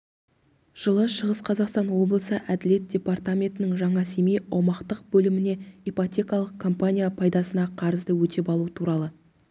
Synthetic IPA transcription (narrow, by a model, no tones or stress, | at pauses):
ʒ̥əlˠəʃəʁəsqʰɑzɑqst̪ɑnwo̞blˠəsəʔæd̪ɪle̞t̪̚d̪̥ʲe̞part̪amʲe̞nt̪ɪnɪŋʒɑɴɑse̞mijɑwmɑqt̪əq̚bɵlɪmɪne̞epot̪ʲe̞kɑlˠəq̚kʰːo̞mpanʲijapʰɑjd̪ɑsənɑqʰɑɾəzd̪əwɵt̪e̞pɑlˠuət̪ʰuɾɑlˠə